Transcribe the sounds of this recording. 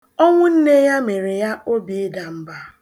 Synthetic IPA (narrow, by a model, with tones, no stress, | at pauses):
ɔ˦ŋʷʊ˦n̩˦ne˦ja˦me˨ɾe˨ja˦o˦bi˨˦da˨m̩˦ba˦